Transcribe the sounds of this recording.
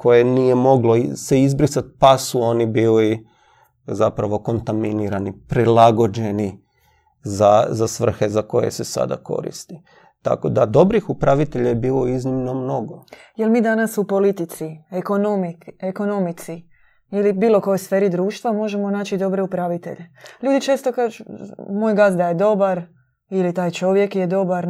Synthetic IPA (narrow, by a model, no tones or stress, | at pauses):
ko̞je̞nijemo̞ɡlo̞iseizbɾisat̪̚pasuo̞nibiːli | zapɾaʋo̞ko̞nt̪aminiɾanipɾilaɡo̞d͡ʒe̞ni | zazasʋr̩xe̞zako̞̰je̞̰se̞sa̰d̪a̰ko̞̰ɾḭst̪i | t̪a̰ko̞d̪ad̪o̞bɾixupɾaʋit̪eʎajebiːlo̞iznimno̞mno̞ɡoje̞lmiːd̪anasupo̞lit̪it̪sieko̞nomieko̞no̞mit̪si | ilibiːlo̞kojo̞jsfe̞ːɾid̪ɾuːʃt̪ʋamo̞ʒe̞mo̞naːt͡ʃid̪o̞bɾe̞upɾaʋit̪e̞̰ʎeʎuːd̪it͡ʃe̞ːst̪o̞kaːʒumojɡasd̪ajed̪o̞baɾ | ilit̪aːjt͡ʃo̞ʋje̞kjed̪o̞baɾ